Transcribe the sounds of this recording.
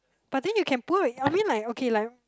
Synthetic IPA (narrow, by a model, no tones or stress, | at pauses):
b̥at̚ðɛ̃njukʰɛ̃npuiãmĩnlakokʰelaj